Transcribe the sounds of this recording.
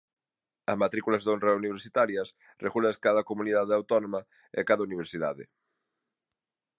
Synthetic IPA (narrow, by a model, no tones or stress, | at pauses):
ɐ̰smat̪ɾikulazðonreuniβ̞eɾsit̪aɾjɐs | reɣulaskaðɐkomuniðaðeawt̪ɔnõma | ḛkaðɐuniβ̞eɾsiðaðɪ̰